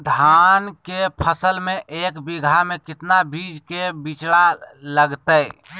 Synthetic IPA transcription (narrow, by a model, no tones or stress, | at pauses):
d̪ʱankepʰəsəlmẽʔeːkbiɡʱamekɪt̪nabʱid͡ʒkebit͡ʃɽaləɡt̪əj